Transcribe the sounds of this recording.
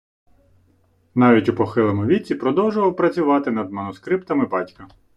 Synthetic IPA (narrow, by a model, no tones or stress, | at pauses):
n̪ɑʋʲitʲupɔxɪlˠɐmʊʋʲit͡sʲipɾɔd̪ɔwʒʊʋɐwpɾɐt͡sʲʊʋɑt̪ɪnɐd̪mɐnʊskɾɪpt̪ɐmɪbɑtʲkɐ